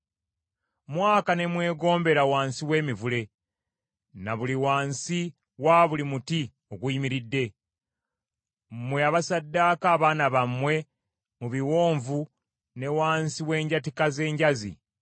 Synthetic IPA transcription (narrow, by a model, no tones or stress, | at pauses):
mwaːkane̞mwe̞ːɡo̞ːmbe̞ɾawaːnsiwe̞ːmivule̞ | naβuliwaːnsi | waːβulimuti | oɡwimiɾidːe̞ | mwe̞aβasadːakaːβaːnaβamwe̞ | muβiwo̞ːɱvu | ne̞waːnsiwe̞ːɲɟatikaze̞ːɲɟazḭ